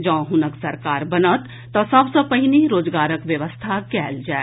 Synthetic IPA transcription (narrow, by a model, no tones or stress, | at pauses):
d͡ʒɐ̃ːɦʊnəksɐɾkaːɾbɐnət̪ːɔsɐbsɔpɐɦɪniɾoːd͡ʒɡaːɾəkʋjɐʋəst̪ʰakɛːld͡ʒaːe